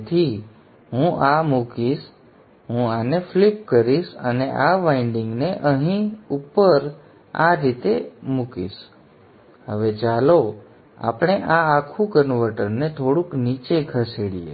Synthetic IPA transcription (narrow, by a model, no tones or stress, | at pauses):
t̪ʰi | ɦũʔamukiʃ | ɦũaneflip̚kəɾiʃə̰neʔaʋaɪɳɖɪ̃ŋɡneʔəɦĩupəɾ | a̰ɾit̪emukḭʃ | ɦəʋet͡ʃalo | a̰pɽ̃eʔaːkʰũkənʋəɾʈəɾnet̪ʰoɽũknit͡ʃeɡʰʱəseɽiḛ